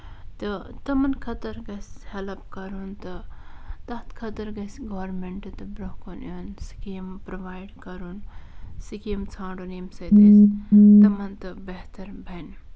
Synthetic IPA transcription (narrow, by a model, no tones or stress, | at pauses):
t̪ɨt̪ɐmɐnkʰɐt̪ɐɾɡɐshelɐpkɐɾunt̪ɨt̪ɐɦt̪kʰɐt̪ɐɾɡɐsɡoʋɾmeɳʈɨt̪ɨbɾɐɦkunɐnsi̥kimpɾoʋaːjɖkɐɾunsikimt͡sʰãːɖunimsɐjd̪ɐst̪ɐmɐnt̪ɨbeɦt̪ɐɾbʱɐn